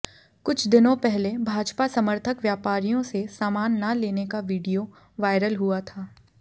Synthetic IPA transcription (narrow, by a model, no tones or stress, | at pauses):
kʊt͡ʃʰd̪ɪnõpɛɦlebʱaːd͡ʒpasɐməɾt̪ʰəkʋjaːpaːɾijõsesaːmaːnːɐleːnekaʋiːɖijo | ʋaːɪɾəlɦʊat̪ʰaː